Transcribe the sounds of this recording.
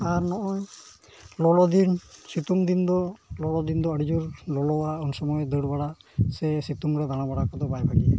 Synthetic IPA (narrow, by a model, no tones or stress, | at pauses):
aɾnɔʔɔj | lɔlɔd̪insit̪uŋd̪ind̪ɔlɔlɔd̪ind̪ɔəɽid͡ʒuɾlɔlɔwaunsɔmɔjɔd̪əɽbaɽasɛsit̪uŋɾɛd̪añabaɽakad̪ɔbajbaɽiɛ̰